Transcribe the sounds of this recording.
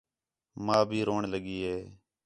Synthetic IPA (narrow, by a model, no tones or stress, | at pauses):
maːbʱiːɾoːɳləɠiːɦeː